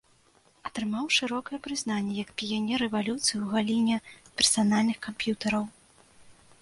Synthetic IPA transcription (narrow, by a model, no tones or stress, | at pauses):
ɐt̪ɾɨmawʂɨɾɔkɐjɛpɾɨznanʲːɛjɐkpʲijanʲɛɾɛvalʲut̪sɨjiuɣalʲinʲɛpʲɛrsanalʲnɨxkampʲjut̪ɐɾɐw